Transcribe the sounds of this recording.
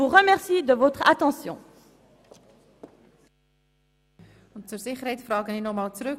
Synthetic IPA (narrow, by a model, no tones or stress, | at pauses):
uʁəmɛʁsid̪əvot̪χɐt̪ɑ̃sjɔ̰̃ | ɔnt͡surziχəɾɦɛjtsfrɑːkəninɔχmɑːlt͡sɾək